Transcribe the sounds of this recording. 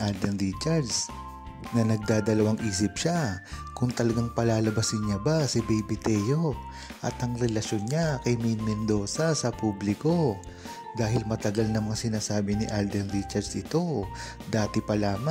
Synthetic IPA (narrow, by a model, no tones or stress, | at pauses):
ʔald̪ɛnɾit͡ʃaɹs | nɐnɐɡ̚d̪aːd̪ɐlɐwaŋʔiːs̬ɪp̚ʃakʊŋt̪ɐlɐɡaŋpɐlaːlɐbɐsɪnɲabasɪbɛjbɪt̪ɛjo̞ | ʔɐ̰t̪ʔɐŋɾɛlɐʃjonɲakɐjmɛnmɛnd̪o̞ːsɐsɐpublɪko̞ | d̪aːɦɪlmɐt̪ɐɡalnɐŋmɐŋasɪnaːsaːbɪnɪʔald̪ɛnɾit͡ʃɐɾsʔɪt̪o̞ | d̪aːt̪ɪpɐlaːma